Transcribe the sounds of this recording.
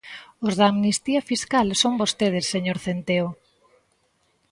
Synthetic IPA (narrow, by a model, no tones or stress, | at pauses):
ʊzðaːmnist̪iɐfiskalsombost̪eð̞esːeɲoɾθent̪eo